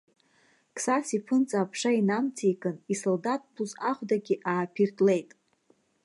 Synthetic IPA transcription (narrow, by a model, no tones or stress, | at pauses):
kʰʼsasipʰɨnt͡sʼaːpʰʂainamt͡sʰikʼɨnisoldatʼpʰuzaχʷdaɡʲiʔaːpʰirtʼle̞jtʼ